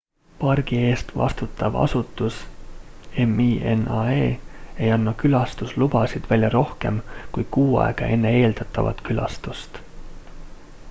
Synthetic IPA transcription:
pɑrɡ̥ie̞ːst̪vɑ̰st̪ut̪ːˑɑvɑ̰sut̪ːˑus | e̞miːenɑeːe̞jɑnːɑkylɑst̪uslub̥ɑsid̪̥vælʲjɑɾo̞hke̞mkuj̥kuːɑ̰eɡ̥ɑʔe̞nːe̞e̞ːld̪̥ɑt̪ːˑɑvɑ̰t̪kylɑ̰st̪ust̪

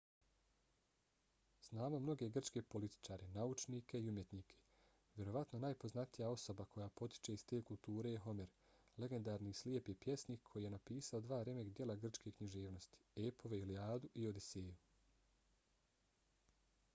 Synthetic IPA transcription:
znaːmo̞mno̞ɡe̞ɡr̩t͡ʃke̞po̞lit̪i̥t͡ʃaːɾe̞naut͡ʃniːkʰe̞iumje̞t̪niːkʰe̞̥ | ʋʲje̞ɾo̞ʋat̪no̞naːjpo̞znat̪ijao̞so̞bakʰo̞japo̞t̪i̥t͡ʃe̞ist̪eːkulˠt̪uːɾe̞jeɦo̞meɾle̞ɡe̞nd̪aːɾniːslie̞pipje̞sniːkkʰo̞jije̞napiːsao̞d̪ʋaːɾe̞me̞kd̪je̞lˠaɡr̩t͡ʃkekɲiʒe̞ːʋno̞st̪i̥eːpo̞ʋeiliaːd̪uʔiod̪iseːju

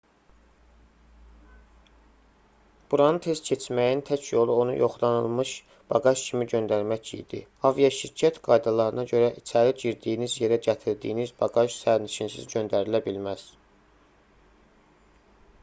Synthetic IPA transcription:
b̥uɾɑnɯnt̪ʰe̞zcʰe̞t͡ʃʰmæjint̪ʰæcʰjo̞lˠuo̞nṵjʔo̞χlˠɑnɯlˠmɯʃ | b̥ɑɡɑʃcʰimiɟø̞nd̪æɾmæcḭd̪̥ḭɑvijɑʃiɾcʰæt̪ɡ̥ɑjd̪ɑlˠɑɾɯnɑɟø̞ɾæʔit͡ʃʰæɾiɟiɾd̪iːinizje̞ɾæɟæt̪ʰiɾd̪ijːnizbɑɡɑʃsæɾniʃinsḭzɟønd̪æɾilæbilmæz̥

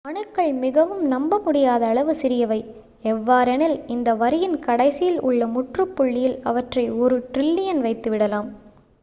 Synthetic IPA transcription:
ɐɳɯkːɐɭmɪɣɐʋɯmnɐmbɐmʊɽɪjaːðɐːɭɐʋɯsɪɾɪjɐʋɐɪ | ɛʋːaːɾɛnɪlɪnd̪ɐʋɐɾɪjɪnkɐɽɐɪsɪjɪlʊ̰ɭːɐmʊʈrɯpːʊɭːɪjɪlɐ̰ʋɐʈrɐɪɔɾɯʈrɪlːɪjɐnʋɐɪt̪ːɯʋɪɽɐlaːm

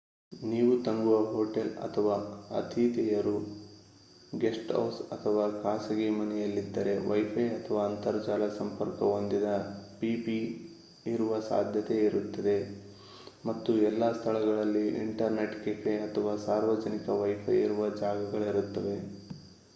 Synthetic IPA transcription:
niːʋut̪ɐŋɡuʋɐɦoːʈelɐ̰t̪ʰɐʋaːɐ̰t̪ʰit̪ɛjɐɾu | ɡesʈɐ̰wsɐt̪ʰɐʋaːkaːsɐɡemɐnɛjɐlːid̪ːɐɾe̞ʋɐjpʰɐjɐt̪ʰɐʋaːnt̪ɐɾd͡ʒaːlɐsɐmpɐɾkɐond̪id̪ɐpipi | iɾuʋɐsa̰ːd̪ʱjɐt̪e̞iɾut̪ːɐd̪e̞ | mɐt̪ːuɛlːaːst̪ʰɐɭɐɡɐɭɐlːiʔḭɳʈɐɾne̞ʈkefeɐt̪ʰɐʋaːsaːɾʋɐd͡ʒɐnikɐʋɐjpʰɐ̰jiɾuʋɐd͡ʒaːɡɐɡɐɭiɾut̪ːɐʋe̞

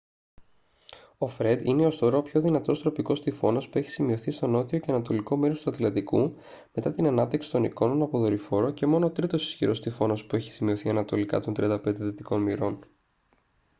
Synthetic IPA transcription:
o̞fɾe̞d̪ine̞ost̪oɾo̞pço̞ðinɐt̪o̞st̪ɾo̞piko̞st̪ifo̞nɐspue̞çi̥simio̞θist̪o̞no̞t̪io̞ceɐnɐt̪o̞liko̞meɾost̪uɐt̪lɐnd̪iku | me̞t̪ɐt̪inɐnɐp̚t̪iksi̥t̪o̞niko̞no̞nɐpo̞ðo̞ɾifo̞ɾoce̞mo̞noːt̪ɾit̪o̞si̥sçiɾo̞st̪ifo̞nɐspue̞çi̥simio̞θiɐnɐt̪o̞likɐ̰t̪ont̪ɾiɐnd̪ɐpe̞nd̪eθet̪iko̞nmiɾo̞n

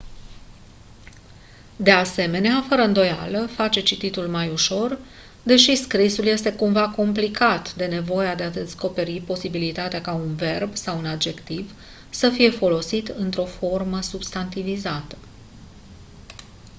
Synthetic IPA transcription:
d̪e̞ase̞me̞neafəɾəɨnd̪o̞ja̰ləfat͡ʃe̞t͡ʃit̪it̪ulmajuʃo̞r | d̪e̞ʃiskɾisulje̞st̪e̞kumvako̞mplikat̪d̪e̞ne̞vo̞jead̪e̞ad̪e̞sko̞pe̞ɾipo̞sibilit̪at̪eakaunve̞rbsawunad̪̚d͡ʒe̞kt̪iv | səfije̞fo̞lo̞sit̪ɨnt̪ɾo̞fo̞rməsubst̪ant̪ivizat̪ə̥

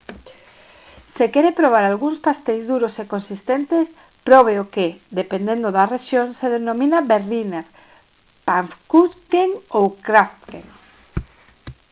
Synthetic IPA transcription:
sekeɾepɾoβ̞aɾalɣuŋspast̪ejzðuɾosekonsist̪ent̪es | pɾɔβ̞eokeðepend̪end̪oðareʃjoŋseðenomĩnaberlineɾ | paɱfkuskeŋowkɾaft̪kḛŋ

